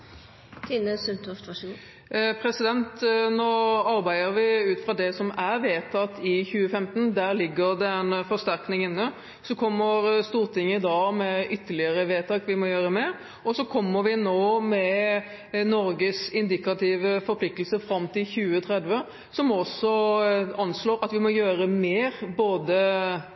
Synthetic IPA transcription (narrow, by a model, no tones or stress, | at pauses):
t̪ʰiːnəsʉnt̪ʰɔft̪ʋʂəu | pʰɾɛsɪd̪ɛnt̪noːɑɾbæɪəɾʋɪʉːt̪fʁɑd̪ɛsɔmæɾʋeːt̪ɑt̪ʰːɪçʉːəfɛmt̪nd̪æʁlɪɡːəɾd̪ɛnəfɔst̪æʁknɪŋənə | sɔkʰɔmːəɾst̪uːʁt̪ʰɪŋːəɪd̪ɑːmɛʏt̪ːəɭɪəɾəʋeːt̪ʰɑːkʋɪmɔjøːɾəmeːɾ | ɔsɔkʰɔmːəɾʋɪnoːmɛ | nɔɾɡəsɪnd̪ɪkɑt̪ɪʋəfɔɾpʰlɪk̚t̪əlsəfɾɑmːt̪ʰɪlçʉːət̪ʰɾɛd̪ʋə | sɔmɔsɔɑnsloːɾɑt̪ʋɪmɔjøːɾəmeːɾboːd̪ə